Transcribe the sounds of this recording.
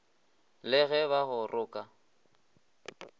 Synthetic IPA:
lɪɣɛβaɣʊrʔʊːkʼa

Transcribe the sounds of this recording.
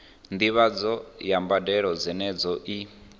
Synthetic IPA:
nd̪iβad͡zɔjambadɛɺɔd͡zɛnɛd͡zɔʔi

